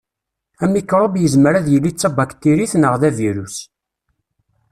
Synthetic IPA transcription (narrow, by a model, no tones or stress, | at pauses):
æmikɾˤəbjəzmɾæðjəlːit͡sːɑbakt̪ːiɾiθnəʁðæviɾus